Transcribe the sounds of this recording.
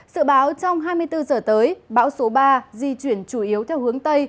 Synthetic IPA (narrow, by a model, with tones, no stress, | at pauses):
zɨ̰˧˨ɓaː˨˦wt͡ɕɔ˧wŋ͡mɦaː˧jmɨ˧əjt̪ɨ˧zəː˨˩t̪əː˨˦jɓa̰ː˧˥wso˨˦ɓaː˧zi˧t͡ɕwi˧˩ənt͡ɕu˧˩ʔi˨˦əwt̪ʰɛ˧whɨ˨˦əŋt̪ə˧j